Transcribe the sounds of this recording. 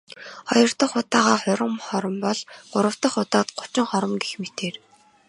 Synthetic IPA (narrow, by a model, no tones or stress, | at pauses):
χɔjɞ̆r̥t̪ə̆χʊt̪aːʁaːχʊɾə̆mχɔɾə̆mpɔɮɢ̥ʊɾə̆w̥t̪ə̆χːʊt̪aːt̪ɢʊ̥t͡ɕɪ̆ŋχɔɾə̆mɡexmet̪eːr